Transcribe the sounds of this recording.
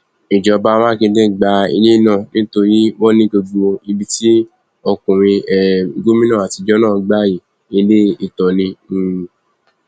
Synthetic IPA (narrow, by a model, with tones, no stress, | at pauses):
i˨d͡ʒɔ˨˧ba˦mã˦kĩ˧dẽ˦˨ɡ͡ba˧ḭ˧le˦i˦˨nã˦˨nĩ˦to˧ɾi˦wɔ̃˦nĩ˦ɡo˧ɡ͡bo˦˨˧i˧bi˦ti˦ | ɔ˧kũ˨ɾ̃ĩ˧ɛ˨˧ɡo˦mĩ˦nã˦˨a˨ti˧d͡ʒɔ˦nãː˦˨ɡ͡ba˦˨ji˨ | i˧le˦i˦˨tɔ˨nĩ˧˨